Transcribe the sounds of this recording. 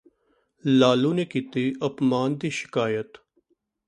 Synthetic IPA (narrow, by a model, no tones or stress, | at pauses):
laːluːneːkiːt̪iːʔəpmaːnd̪iːʃɪ̥kaːjət̪